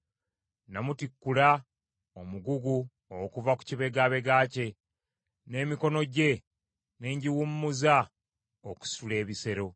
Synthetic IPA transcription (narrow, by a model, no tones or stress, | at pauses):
namutikːula | o̞muɡuɡu | okuvaku̥ciβe̞ɡaːβe̞ɡaːce̞ | ne̞ːmiko̞no̞ɟe̞ | ne̞ːɲɟiwumːuza | oku̥sule̞ːβise̞ɾo̞